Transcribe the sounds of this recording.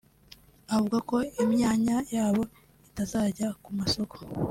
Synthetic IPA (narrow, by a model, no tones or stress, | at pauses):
avuɡako̞imɲaːɲajaːβo̞ | itazaːɟakumaso̞ko̥